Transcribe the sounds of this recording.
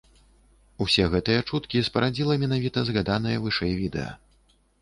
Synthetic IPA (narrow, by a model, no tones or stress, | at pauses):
usʲɛɣɛt̪ɨjɐt͡ʂut̪kʲispɐɾad͡zʲilˠɐmʲɛn̪avʲit̪ɐzɣad̪anɐjɐvɨʂɛjvʲid̪ɛ̰jɐ̰